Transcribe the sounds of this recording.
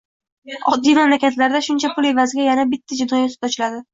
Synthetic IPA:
ɒd̪ːimamlakʲʰat̪laɾd̪aʃʊnt͡ʃʰapʰʊle̞vazɪɡʲajanabɪt̪ʰːad͡ʒɪd̪ɒjat̪ʊ̥p̚t̪ɒt͡ʃʰɪlad̪ɪ

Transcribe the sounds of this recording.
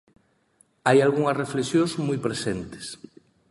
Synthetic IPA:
ajalɣuŋɐsreflesjõŋzmujpɾesent̪e̥s

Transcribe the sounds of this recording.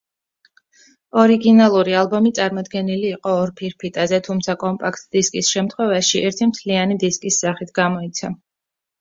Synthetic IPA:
ɔɾiɡinalˠuɾialˠbɔmit̪sʼaɾmɔd̪ɡɛniliːqʼɔːɾpʰiɾpʰit̪ʼazɛt̪ʰumt̪sʰakʼɔmpʼakʰt̪ʼd̪̥iskʼisʃɛmt̪ʰχwɛvaʃiʔɛɾt̪ʰimt̪ʰlianid̪iskʼisːaχit̪ʰɡamɔit̪sʰa

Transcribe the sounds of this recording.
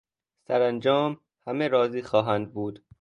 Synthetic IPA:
sæɾænd͡ʒɒːm | hæmeɾɒːziːxɒːɦænd̪̚buːd̪̥

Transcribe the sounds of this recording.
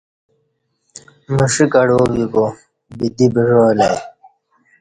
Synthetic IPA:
məʂikɐɽoːɡiko | bid̪ibəʐoːla

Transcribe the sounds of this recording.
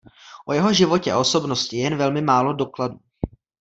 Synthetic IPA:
ʔojɛɦo̞ʒɪvo̞cɛa̰ʔo̞so̞bnoscɪjɛnvɛlmɪmaːlo̞do̞kladu

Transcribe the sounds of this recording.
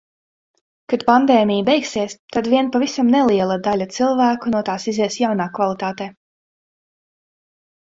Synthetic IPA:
kad̪̥pand̪ɛːmʲijbɛjksiɛst̪ad̪vʲiɛnpavisamnɛlˠiɛlˠad̪alʲat̪silˠvæːkunuɔt̪aːsizɛɛsjawnaːkvalˠit̪aːt̪ɛː

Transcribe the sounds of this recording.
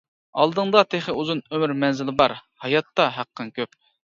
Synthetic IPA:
ɑ̰lˠd̪ɨŋd̪ɑt̪ʰeχəuzunømyɾmɛnzɪlɪbɑɾhɑjɑt̪ːɑɦæqːɨnkʲʰøp

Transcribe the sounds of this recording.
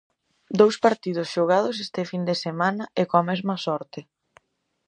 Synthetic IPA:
d̪owspaɾt̪ið̞ʊsʃoɣ̞að̞os̬est̪efind̪esemanɐekoamɛzmɐsɔɾt̪ɪ

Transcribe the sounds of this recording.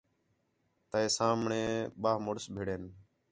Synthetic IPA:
t̪əeːsaːmɳẽːɓaːmʊɽsbʱeːɽeːn

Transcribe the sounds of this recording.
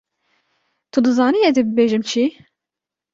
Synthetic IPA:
t̪ʰud̪ɨzɑːniɛd̪ibɨbeːʒɨmt͡ʃʰi

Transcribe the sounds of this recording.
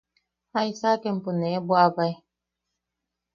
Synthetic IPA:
aisakem̩punebwabaj

